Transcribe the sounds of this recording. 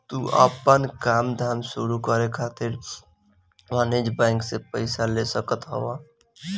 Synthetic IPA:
t̪uʔa̰pənkaːmd̪ʱaːmsuɾukəɾekʰaːt̪ɪɾ | maned͡ʒbɛ̃ːŋksepəɪsalesəkət̪ɦə̰wa

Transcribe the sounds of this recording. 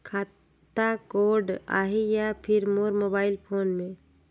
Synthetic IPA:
kʰaː | akoɖa̰ɦejapʰɪɾmoɾmoːbaːɪlpʰoːnmẽ

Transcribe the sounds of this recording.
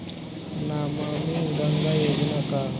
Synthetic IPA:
namamiɡəŋɡajoɡnaka

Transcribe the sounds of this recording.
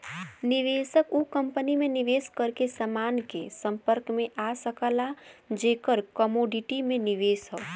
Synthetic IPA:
nɪʋeːsəkukə̃mpənimẽnɪʋeːskəɾkesəmaːnkesə̃mpəɾkmẽʔasəkəlad͡ʒeːkəɾkəmoːɖɪʈimẽnɪʋeːsɦo

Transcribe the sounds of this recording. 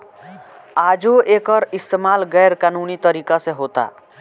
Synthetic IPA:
ad͡ʒoʔekəɾist̪emalɡɛɾkanunit̪əɾikasẽɦot̪a̰

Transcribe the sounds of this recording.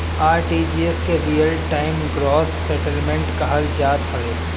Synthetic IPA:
aːɾʈid͡ʒiːeskeɾijəlʈaːɪmɡɾɔːsːɛʈəlmɛ̃ɳʈkaɦɐld͡ʒaːt̪ɦɐɾeː

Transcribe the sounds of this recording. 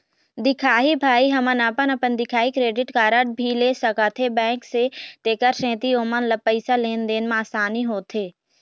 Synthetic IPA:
d̪ɪkʰaːɦibʱaːiɦɐmənapənɐpənd̪ɪkʰaːikɾeːɖɪʈkaːɾəʈ̚bʱileːsəkat̪ʰebɛ̃ːŋkset̪eːkəɾsɛ̃ːt̪ioːmənləpːəɪsaleːnd̪eːnmaːsaːniɦoːt̪ʰeː

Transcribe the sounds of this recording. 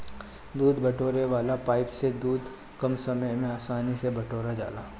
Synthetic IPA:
d̪uːd̪bɐʈʰoːɾeʋaːlapaːɪpsed̪uːd̪ | kɐmsɐməjmẽaːsaːnisebɐʈʰoːɾad͡ʒa̰ːlaː

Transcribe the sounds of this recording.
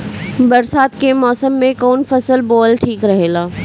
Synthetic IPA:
bɐɾsaːt̪kemɔːsəmːẽkoːnfɐsəlboːlʈʰiːkɾɐɦeːlaː

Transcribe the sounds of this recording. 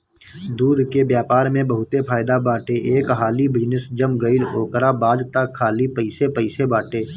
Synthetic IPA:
d̪uːd̪ʱkebjaːpaːɾmẽbəɦʊt̪epʰaːɪd̪abaːʈeʔeːkɦaːlibɪd͡ʒnɪsd͡ʒəmɡəɪloːkɾabaːd̪t̪akʰːaːlipəɪsepəɪsebaːʈeː

